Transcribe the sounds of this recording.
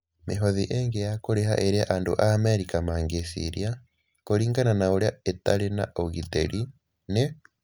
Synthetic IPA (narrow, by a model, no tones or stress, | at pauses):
meɦoðiʔeŋɡejakoɾeɦa̰ʔeɾiaʔaːndo̰ʔameɾikamaːŋɡesḭɾja | koɾiːŋɡananaoɾaetaɾena̰ʔoɣitḛɾi | ne